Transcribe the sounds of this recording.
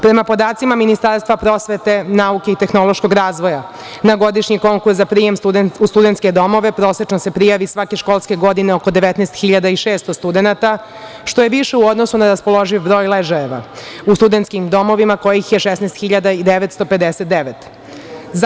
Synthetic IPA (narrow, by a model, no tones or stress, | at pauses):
pɾe̞mapo̞d̪aːt̪simaminist̪aɾst̪ʋapɾo̞ːsʋet̪e̞nauke̞it̪e̞xno̞lˠoʃko̞ɡɾaːzʋo̞ja | naɡo̞d̪iʃɲiko̞ŋkuszapɾijemt̪ud̪ust̪ud̪e̞nt̪ke̞d̪o̞mo̞ʋe̞pɾo̞ːset͡ʃnose̞pɾijaʋisʋake̞ʃkoːlˠske̞ɡo̞d̪ineoko̞d̪e̞ʋet̪nɛːst̪xiʎad̪aiʃeːst̪ost̪ud̪enat̪a | ʃt̪o̞jeʋiʃeuo̞d̪nosunaɾaspo̞lˠo̞ʒiʋbɾo̞ːjlˠeʒaeʋa̰ust̪ud̪ent̪skimd̪o̞mo̞ʋimako̞jixjeʃesnɛːst̪xiʎad̪aid̪eʋet̪st̪o̞pe̞d̪eset̪̚d̪eʋet̪ | z